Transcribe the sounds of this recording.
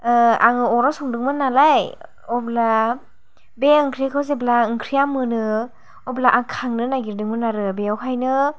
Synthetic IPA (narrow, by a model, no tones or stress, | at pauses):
a̰ŋɯɔɾasɔŋdɯŋmɯnalaj | ɔbla | beɯŋkʰɾijakʰɯwzeblaɯŋkʰɾijamɯnɯ | ɔblaʔaŋkʰaŋnɯnaɡiɾdɯŋmɯnaɾɯbeɔwkʰajnɯ